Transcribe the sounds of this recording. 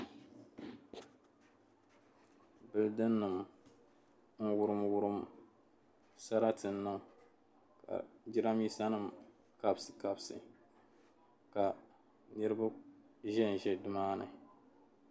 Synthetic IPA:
bɨ˨ldɨ˦nːɨ˨m | ŋ̩˦wʊ˦ɾɨ˦mwʊ˦ɾɨ˦m | sa˦ɾa˦tɨ˨n̩ːɨ˦m | ka̰˨d͡ʒi˦ɾa˦mi˦sa˦nɨ˦˨m | ka˨bsɨ̥˨ka˨bsɨ̰˨ | ka˨ | nɨ˦ɾɨ˦ba˦ʒɛ˦n˨ʒɛ˦˨dɨ˦maː˦nɨ̰˨

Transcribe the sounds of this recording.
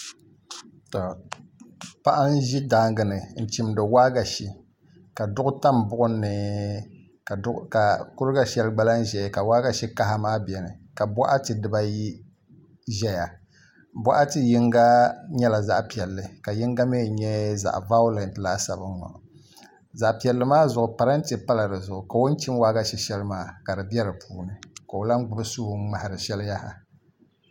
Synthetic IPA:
tɔ˨ | pa˦ʔa˦n˦ʒi˦da˦ŋɡɨ˨nɨ˨n̩˨t͡ʃi˦mdɨ˨wa˦ɡa˨ʃi˦ | ka˨dʊ˦ɡʊ˦ta˦m˨bʊ˦ʔʊ˦nːɨ˨˦ | ka˨kʊ˦ɾɨ˦ɡa˦ʃɛ˦lɡ͡ba˦la˦n̩˦ʒɛ˨ka˨waː˦ɡa˨ʃi˦ka˦ɦa˦maː˦bjɛ˨nɨ˨ka˨bɔ˦ʔa˦tɨ˨dɨ˨ba˦ji˦ | ʒɛ˦ja˨ | bʷɔ˦ʔa˦tɨ˦ji˦ŋɡa˦ɲɛ˦la˨za̰˦ʔpi˨ɛ˨lːɨ˨ka˨ji˦ŋɡa˦me˦˨ɲɛ˦za̰˨ʔva˦ʊ˦lɛ˨ntlaː˦sa˨bɨ˦ɔ̰˨ | za˨ʔpi˨ɛ˨lːɨ˦maː˦zʊ˨ʔʊ˨pa˨ɾa˦n̩˦tɨ˨pa˦la˨dɨ˨zʊ˨ʔʊ˨ka˨wo˦n˦t͡ʃi˦mwaː˦ɡa˦ʃɛ˦ʃɛ˦lɨ˦maː˦ka˨dɨ˨bjɛ˦ɾɨ˨pʰuː˦nɨ˨ka˨o˨la˦ŋɡ͡bʊ˦bɨ˦su˦hʊ˦ma˨ha˨ɾɨ˨ʃɛ˦lja˦ha˨

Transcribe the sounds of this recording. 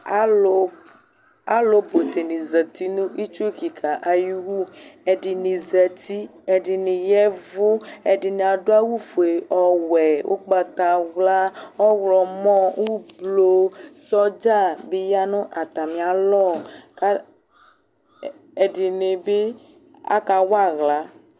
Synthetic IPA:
o˨˦ | a˦lo˨bo˨t̪e˨nĩ˨zɛ˨t̪i˦nũ˦i˦t͡ʃu˦ki˨kʰa˨ʔa˨ji˦wu˦ɛ˨ɖi˨nĩ˨zɛ˨t̪i˦ɛ˨ɖi˨nĩ˨jɛ˦vʊ˦ɛ˨ɖi˨nẽ˨a˨ɖo˦a˦wu˦fo˨e˨ʔɔ˨wɛ˨wʔo̰˦k͡pa˨t̪a˨wla˦ɔ˦wlɔ˨mɔ̃˦wu˦blo˦sɔ˦d͡ʒa˦˨be˦ja˦nũ˦ʔa˨t̪a˨mĩ˨a˨lɔ˦˨ka˦ | e˨ɖi˨ne˨be˦ | a̰˦ka˨wa˦˨ɣla˨˦

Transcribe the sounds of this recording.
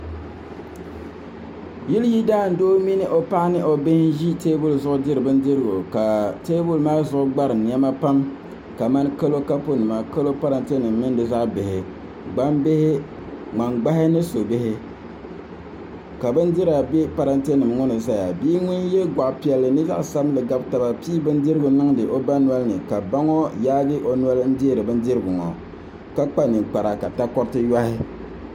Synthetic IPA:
ji˦lji˦daː˦˨n̩˨doː˦mi˦nɨ˦ʔo˨pa˦ʔnɨ˦ʔo˨be˦hʒi˦teː˦bu˦lzʊ˦ʔʊ˦dɪ˦ɾɨ˨bɨ˦n˦dɪ˦ɾɨ˦ɡo˨ka˨teː˦bu˦lmaː˦zʊ˨ʔʊ˦ɡ͡ba˦ɾɨ˨n˨ɛ˦ma˦pa˦m | ka˨ma˦n˦ka˦lo˦ka˦po˦nɨ˨ma˨ka˦lo˦pa˦ɾa˨nte˦nɨ˨mːɨ˦ndɨ˨za˦ʔbɪ˨hɪ˨ | ɡ͡ba˦mbe˦hɪ˦ | ŋ͡ma˨ŋɡ͡ba˦hɪ˦nɨ˦so˨bɪ˦hɪ˦ | ka˨bɨ˦n˦di˦ɾa˨be˦pa˨ɾa˦nte˦nɨ˨mŋʊ˦nɨ˨sa˦ja˨biː˦ŋʊ˦njɛ˦ɡa˨ʔpi˨ɛ˨lːɨ˨nɨ˦za̰˦ʔsa˦blɨ˨ɡa˦bta˨ba˨piː˦bɨ˦n˦di˦ɾɨ˦ɡʊ˨nɨ˦ŋdɨ˨ʔo˦ba˦n˦a˦lnɨ˨ka˨ba˦ŋɔ˦jaː˦ɡɨ˦ʔo˨nʷ˦a˦ln̩˦di˦e˦˨ɾɨ˨bɨ˦ndɨ˦ɾɨ˦ɡʊ˨ŋɔ̰˨ | ka˦k͡pa˦nɨ˨k͡pa˨ɾa˨ka˨ta˦kɔ˦ɾtɨ˦ja˦hɪ˦

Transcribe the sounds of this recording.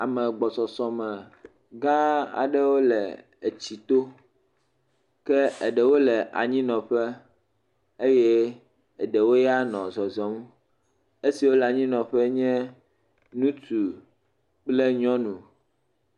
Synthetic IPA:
a˨mɛ̃˨ɡ͡bɔ˨sɔ˨sɔ˨mɛ̃˨ | ɡã˦a̰˨ɖɛ˦wo˦lɛ˨ | e˨t͡ɕi˨t̪o˦ | kɛ˦ə˨ɖɛ˨wo˦lɛ˨ʔa̰˨ɲĩ˦nɔ̃˨ɸɛ˦ | e˦jɛ˦ | ə˨ɖɛ˨wo˦ja˦nɔ̃˨zɔ˨zɔ̃˦m˦ | e˦si˨wo˦la˨ɲĩ˦nɔ̃˨ɸɛ˦ɲɛ̃˦ | nũ˦tu˨ | k͡plɛ˦ɲɔ̃˦nũ˨

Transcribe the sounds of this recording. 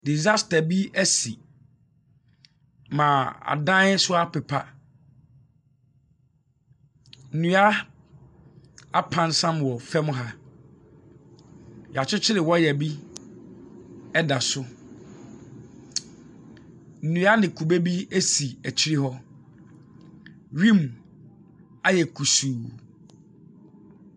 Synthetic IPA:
di˨za˦sta˨bi˦æ˦si˨ | mã˨a̰˨dã˦n˦sʊ˦a˦pʰɛ˨pʰa̰˦ | n̩˨nũ˨˦a˦ | a˦pʰã˦nsã˦mwɔ˨fɛ˦m̃˦ɦa˦ | jɛ˨a˨t͡ɕʰᶣʊ˦t͡ɕʰɪ˦ɾɪ˨wɔ˦jɛ˨bi˦ | ɛ˦da˨sʊ˦ | n̩˨nũ˨a˦nɪ̃˨kʰu˨be˦bi˦æ˦si˨æ˨t͡ɕʰɪ˦ɾi˦ɦɔ˦ | ɾĩ˦˨m | a˦jɛ˨kʰu˨suː˨

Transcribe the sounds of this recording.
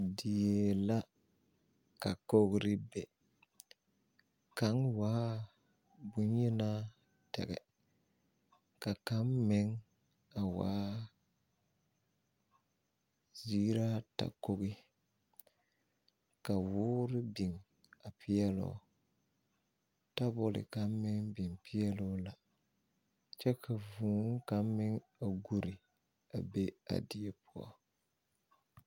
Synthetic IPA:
di˨je˨la˦ | ka˨ko˦ɡɾɪ˦bɛ˨ | ka˨˦ŋwaː˦ | bʊ˦njɛ˦na˦ | tɛ̰˨ɡɛ̰˨ | ka˨ka˨˦mmɛ˦ŋ | a˨wa̰ː˦ | ziː˦ɾa˦ta̰˨ko˦ɣi˦ | ka˨wʊː˦ɾɪ˦bi˨ŋ | a˨pʰɪ˦ɛ˦lʊ̰˨˦˨ | ta˦bʊ˦lɪ̰˨ka˦m˦mɪ˦ŋbi˨ŋpɪ˦ɛ˦lʊ˦la˨ | t͡ʃɛ˦kʰa˨vuː˨˦ŋ˦ka˨m˦mɪ˦ŋ | a˨ɡu˨ɾɪ˨ | a̰˨be˦a̰˨dɪ˦ɛ˦pʊ˦ɔ̰˦˨

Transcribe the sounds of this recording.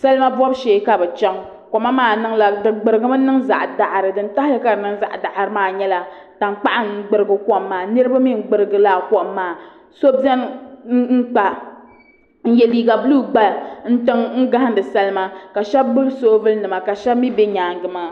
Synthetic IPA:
sa˦lɨ˦ma˦vɔ˦bʃeː˨˦ka˨bɨ˨t͡ʃɛ˦ŋ˦ | kɔ˨ma˦maː˦˨nɨ˦ŋla˨dɨ˨ɡ͡bɨ˨ɾɨ˨ɡɨ˦ma˦nɨ˦ŋza˨ʔda˨ʔɾɨ˨dɨ˨n̩˦ta˦hɨ˦ka˨ɾɨ˨nɨ˦ŋza̰˦ʔda˨ʔa˨ɾɨ˦maː˦˨ɲɛ˦la˨ | ta˨ŋk͡pa˦ʔa˦ŋ̩˦ɡ͡bɨ˨ɾɨ˨ɡɨ˨kɔ˦ʔmː˦aː˨nɨ˦ɾɨ˦ba˦mi˦˨ŋ̩˦ɡ͡bɨ˨ɾɨ˨ɡɨ˨la˦˨kɔ˨ʔmːaː˨ | so˦bzɛ˦n˦ŋ̩˦k͡pa˨ | n̩˦jɛ˨liː˦ɡa˨bluː˦ɡ͡ba˦˨n̩˦tɨ˦ŋŋ̩˦ɡa˦ha˦n˦dɨ˨sɛ˦lɨ˦ma˦ka˨ʃɛ˦bːɨ˦lso˦ʔvɨ˦lnɨ˨ma˨ka˨ʃɛ˦bmi˦bɛ˦ɲaː˨ŋɡɨ˨ma˦

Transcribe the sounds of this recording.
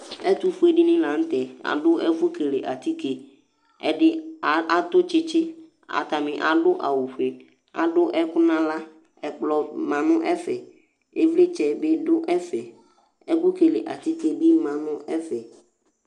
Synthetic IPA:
ɛ˦t̪u˦fu˦e˦ɖɪ̃˦nɪ̃˦la˨ŋ̩˦t̪ɛ˨a̰˨ɖʊ˦ʔɛ˦fu˦ke˨le˨ʔa˨t̪i˦ke˨ | ɛ˦ɖɪ˦˨a˨t̪ʊ˦t͡ʃɪ˦t͡ʃɪ˦ | a̰˨t̪a˨mɪ̃˨ʔa˨ɖʊ˦ʔa̰˨wu˨ɸe˨ | a̰˨ɖʊ˦ʔɛ˦kʊ˦nã˦la˦ | ɛ˨k͡plɔ˨mã˨nʊ̃˦ʔɛ˦fɛ˨ | e˦vle˦t͡ʃɛ˨be˦ɖʊ˦ʔɛ˦fɛ˨ | ɛ˦ku˦ke˨le˨ʔa˨t̪i˦ke˦bi˦mã˨nʊ̃˦ɛ˦fɛ˨

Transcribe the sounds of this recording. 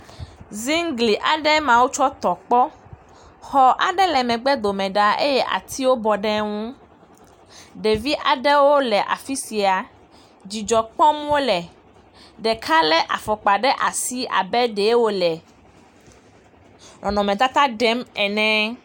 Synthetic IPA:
zi˦ŋ˦ɡli˨ʔa˨ɖɛ˦mã˨wo˦t͡ʃɔ˦t̪ɔ˨k͡pɔ˦ | xɔ˨ʔa̰˨ɖɛ˦lɛ˨mɛ̃˨ɡ͡bɛ˦d̪o˨mɛ̃˨ɖa˨e˦jɛ˦ʔa̰˨t̪ʰi˦wo˦bɔ˨ɖɛ˦ŋũ˦ | ɖɛ˨vi˦ʔa˨ɖɛ˦wo˦lɛ˨ʔa̰˨fi˦si˨a˨ | d͡ʑi˨d͡ʒɔ˨k͡pɔ˦m˦wo˦lɛ˨ | ɖɛ˨kʰa˦lɛ˦ʔa̰˨fɔ˨k͡pa˨ɖɛ˦ʔa˨si˦a̰˨bɛ˦ɖɛ˨˦wo˦lɛ˨ | nɔ̃˨nɔ̃˨mɛ̃˨t̪a˦t̪a˦ɖɛ˦mɛ˨nɛ̃˦

